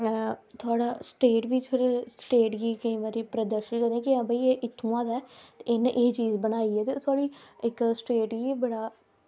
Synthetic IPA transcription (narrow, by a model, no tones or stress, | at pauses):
t̪ʰʊaːɽaːsʈeːʈʋiːt̪ʰɪɽesʈeːʈɡiːkəĩːʋaɾiːpɾəd̪əɾʃənkəɾd̪ẽːkɪãːbaiːeːʔɪt̪ʰːũːãːd̪aɛːt̪eɪnʔeːt͡ʃiːzbəñaːiːɛːt̪et̪ʰʊaːɽiːɪksʈeːʈɡiːbəɽaː